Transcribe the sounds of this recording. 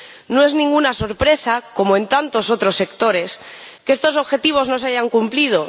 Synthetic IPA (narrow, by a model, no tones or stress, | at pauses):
no̞e̞znĩŋɡunaso̞ɾpɾe̞sako̞moe̞nt̪ant̪o̞so̞t̪ɾo̞sːe̞kt̪o̞ɾe̞skeest̪o̞so̞βxe̞t̪iβ̞o̞zno̞seaʝaŋkumplið̞o̞